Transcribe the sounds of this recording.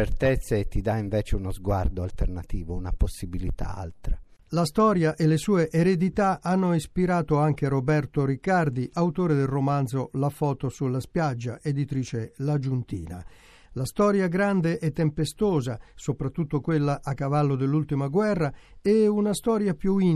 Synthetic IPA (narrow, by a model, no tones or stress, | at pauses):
eɾt̪ɛt̪sːeːt̪ːid̪aiɱvɛːt͡ʃeunozɡwa̰rd̪oa̰lt̪ernat̪iːvouna̰posːibilit̪a̰a̰lt̪ɾalast̪ɔːɾjaʔelːesuːeʔeɾed̪it̪aanːoispiɾaːt̪oaŋk̟eɾobɛrt̪oɾikːard̪iʔawt̪oːɾed̪elromant̪zolafɔːt̪osulːaspjad͡ʒːaʔed̪it̪ɾiːt͡ʃelad͡ʒunt̪ḭːna̰ | last̪ɔːɾjaɡɾand̪eʔɛt̪ːempest̪oːzasopɾat̪ːut̪ːokwelːaʔːkːavalːod̪elːult̪imaɡwɛrːa | eunast̪ɔːɾjapjui